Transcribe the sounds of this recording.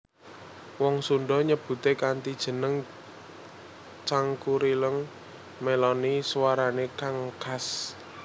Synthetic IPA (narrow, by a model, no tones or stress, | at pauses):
wɔŋsunɖɔɲəb̥ṳt̪ekant̪id̥ʒ̥ə̤nəŋ | t͡ʃaŋkuɾiləŋ | melɔniswaɾanekaŋkas